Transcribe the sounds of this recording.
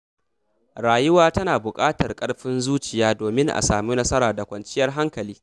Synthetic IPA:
ɾaː˨jɪ˦waː˦tɐ˦naː˨bʊ˨kʼaː˦tɐ˨rkʼɐ˦ɽɸɪ˦nzuː˦t͡ʃɪ˨jaː˦doː˨mɪ˦ŋʔa̰˨saː˨muː˦nɐ˦sɐ˦ɾaː˨da˨kʷɐ˨nt͡ʃɪ˦jɐ˦rɦa˦ŋkɐ˨liː˦

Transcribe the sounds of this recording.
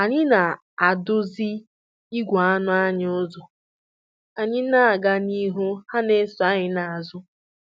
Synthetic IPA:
a˨ɲɪ˦na˨ | a˨dʊ˦zi˦ | i˦ɡʷa˨a˦nʊ˦a˦ɲ˦ʊ˦zɔ˨ | a˨ɲɪ˦na˦a˨ɡa˦ni˦ɦʊ˦ha˦ne˦sʊ˨a˦ɲɪ˨na˨a˨zʊ˦

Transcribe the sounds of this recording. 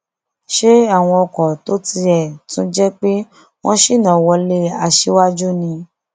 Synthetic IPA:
ʃe˦a˦˨w̃ɔ̃˧ɔ˧kɔ˨to˦ti˧ɛ˨tũ˦d͡ʒɛ˦k͡pe˦ | w̃ɔ̃˦ʃi˦˨nã˨wɔ˧le˦a˧ʃe˦wa˦d͡ʒu˦nĩ˧

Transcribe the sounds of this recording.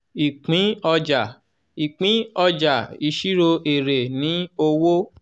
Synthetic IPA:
i˨k͡pĩ˨˦ɔ˧d͡ʒa˨ | i˨k͡pĩ˨˦ɔ˧d͡ʒa˨i˧ʃi˦ɾo˧ʔe˨ɾe˨nĩ˨˦o˧wo˦

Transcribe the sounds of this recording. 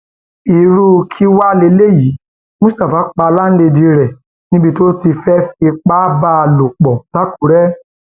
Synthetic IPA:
i˨ɾu˧kʰi˦wa˦le˧˦le˦ji˨˦ | mũ˦sta˨fa˨˦k͡pa˧la˦n̩˦de˧dĩ˧ɾɛ˨ | nĩ˦bi˧to˦ti˧fɛ˦fi˧k͡pa˦ba˦˧lo˨k͡pɔ˨la˨˦ku˨˦ɾɛ˦

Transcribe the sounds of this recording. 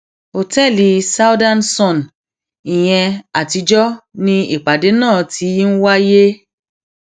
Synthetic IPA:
o˨tɛ˦˨li˧sa˦u˦dã˦˨nsɔ̃˦˨n | i˨j̃ɛ̃˧a˨ti˧d͡ʒɔ˦nĩ˧i˨k͡pa˨de˨˦nãː˦˨ti˨˦n̩˦wa˦je˦

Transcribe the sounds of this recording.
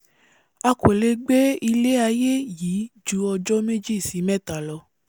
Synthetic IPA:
a˧ko˨le˧˦ɡ͡be˦i˧le˦a˧je˦jiː˨˦d͡ʒu˨˦ɔ˧d͡ʒɔ˦me˦d͡ʒi˦˨si˨˦mɛ̃˦˨ta˨lɔ˧

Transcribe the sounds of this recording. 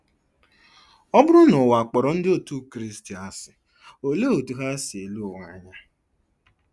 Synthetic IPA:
ɔ˦bʊ˦ɾʊ˦nʊ˨wa˨k͡pɔ˨ɾɔ˨n̩˦dɪ˦o˦˨tu˦kɾi˦sti˨a˦sɪ˨ | o˨le˦o˨tu˨ɦa˦sɪ˨e˨lu˦˨wa˦˨˦ɲa˦

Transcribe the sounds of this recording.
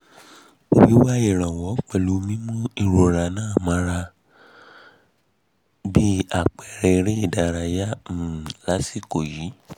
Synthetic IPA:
o˨wi˨˦wa˦i˦˨ɾ̃ã˨wɔ˨˦k͡pɛ˧˨lu˨˦mĩ˦mũ˦i˦˨ɾo˧ɾa˧nãː˦˨mã˨˦ɾa˧ | bi˦a˦˨k͡pɛ˨ɾɛ˧ɾe˦i˦˨da˧ɾa˧ja˦˨la˨˦si˦ko˨ji˨˦

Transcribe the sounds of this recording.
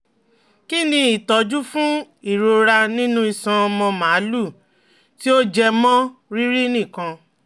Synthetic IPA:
ki˦nĩ˧i˨tɔ˨˦d͡ʒu˦fũ˦i˦˨ɾo˧ɾa˧nĩ˦nũ˦i˨sã˧ɔ˧mɔ̃˧mã˨˦lu˦˨ | ti˦o˦d͡ʒɛ˧mɔ̃˦ɾi˦ɾi˦nĩ˦˨kã˧

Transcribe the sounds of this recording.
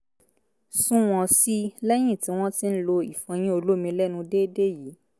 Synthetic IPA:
sũ˦w̃ɔ̃˧si˦lɛ˦j̃ĩ˦˨tĩ˨˦w̃ɔ̃˦ti˦n̩˦lo˧i˨fɔ̃˧j̃ĩ˦o˧lo˦mĩ˧lɛ˦nũ˧de˦de˦ji˨˦

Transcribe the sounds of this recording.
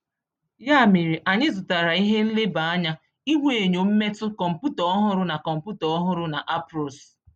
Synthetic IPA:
ja˦˨mi˨ɾi˨ʔa˨ɲɪ˦zʊ˨ta˨ɾa˨i˦ɦe˦n̩˦lɪ˦ba˨a˦ɲa˦ | i˦we˨ɲo˨m̩˦me˦tʊ˦kɔ˨m̩˨pu˦tɔ˦ɔ˦ɦʊ˦ɾʊ˦na˨kɔ˨m̩˨pu˦tɔ˨ɔ˦ɦʊ˦ɾʊ˦na˨ʔa˦pɾɔ˨s

